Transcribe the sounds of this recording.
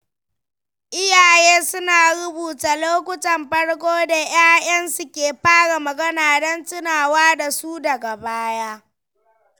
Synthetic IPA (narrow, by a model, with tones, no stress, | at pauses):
ʔɪ˦jaː˨jeː˦sʊ˦naː˨ɽʊ˦buː˨taː˨loː˦kʷʊ˦tɐ˨mɸɐ˦ɽkʷoː˦da˨j̰aː˦jɐ˦nsu˨kʲeː˨ɸaː˦ɽa˨mɐ˨ɡɐ˦naː˨dɐ˦ntɪ˦naː˨waː˦da˨suː˦dɐ˨ɡa˨baː˦jaː˦